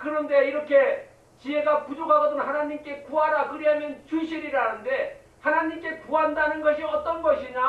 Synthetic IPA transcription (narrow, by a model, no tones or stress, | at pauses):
kɯɾʌnde̞iɾʌkʰe̞ | t͡ɕie̞ɡakud͡ʑoɡaɡʌdɯnɦanaɲimk͈e̞kuɦaɾakɯɾiɦamjʌnt͡ɕuɕʰiɾiɾanɯnde̞ | hanaɲimk͈e̞kuɦandanɯnɡʌɕʰiʌt͈ʌnɡʌɕʰiɲa